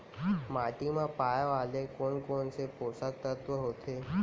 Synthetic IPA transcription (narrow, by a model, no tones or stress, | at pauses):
maːʈimãpaːjaʋaːlekoːnkoːnsepoːsat̪ət̪ʋəɦoːt̪ʰeː